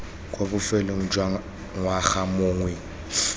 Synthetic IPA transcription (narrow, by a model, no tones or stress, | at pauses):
kʼobʊfɛloŋ̩d͡ʒwa | ŋwaxamʊːŋwɛ